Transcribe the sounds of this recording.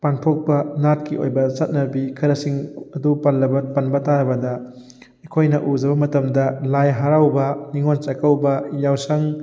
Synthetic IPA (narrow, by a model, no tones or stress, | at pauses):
panpʰok̚pɐnat̚kio̰jbɐsɐt̚nɐbikʰɐɾɐsiŋɐdupalːɐbɐpɐnbɐtaɾɐbɐdɐ | ɐkʰojnɐʔud͡ʒɐβɐmɐtɐmdɐlajɦaɾawbɐniŋont͡ʃɐkɐwbɐjawsɐŋ